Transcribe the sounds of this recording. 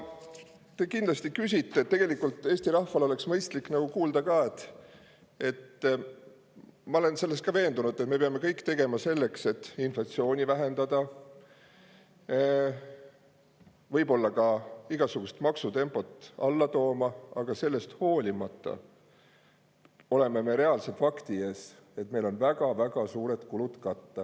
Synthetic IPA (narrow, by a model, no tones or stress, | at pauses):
t̪e̞kind̪lɑst̪ikysʲit̪ːe̞t̪t̪ːe̞ɡ̥e̞likːˑult̪ːˑe̞ːst̪iɾɑhfɑlo̞le̞ksmɤjst̪likːˑnɑɡ̥ukuːld̪ɑkɑːe̞t̪ːˑ | e̞t̪ː | mɑole̞nse̞lːe̞st̪kɑve̞ːnd̪unud̪et̪me̞peɑme̞kɤjkːt̪e̞ɡ̥e̞mɑse̞lːe̞kse̞t̪ːinflɑt̪sio̞ːnʲivæɦend̪̥ɑd̪̥ɑ | vɤjbo̞lːɑkɑiɡ̥ɑsuɡ̥ust̪mɑksut̪e̞mpˑo̞t̪ːˑɑlːɑt̪o̞ːmɑɑɡ̥ɑse̞lːe̞st̪ho̞ːlʲimɑt̪ˑːɑ̰ | o̞le̞meme̞ɾe̞ɑlset̪fɑkt̪ie̞ːs | e̞t̪me̞jlo̞nvæɡ̥ɑvæɡ̥ɑsuːɾe̞t̪kulut̪kɑt̪ːɑ